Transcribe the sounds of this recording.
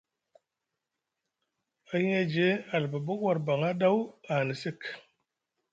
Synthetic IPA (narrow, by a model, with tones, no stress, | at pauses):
a˨hi˦e˦d͡ʒe˨˦a˨lbə˨bo˦kwa˨ɾba˨ŋa˦ɗa˦wa˨ni˨si˦k